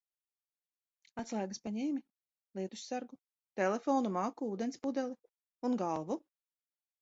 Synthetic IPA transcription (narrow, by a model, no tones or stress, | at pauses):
at̪slˠaːɡaspaɲɛːmʲi | lˠiɛt̪usʲsaɾɡu | t̪ɛlefɔːnumaːkuuːd̪ɛnspud̪ɛlˠi | unɡalˠvu